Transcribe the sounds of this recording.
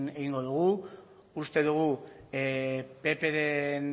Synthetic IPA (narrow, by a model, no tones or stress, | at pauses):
ne̞ɣiŋɡo̞ðuɣ̞u | ust̪e̞ðuɣu | pe̞pe̞ɾen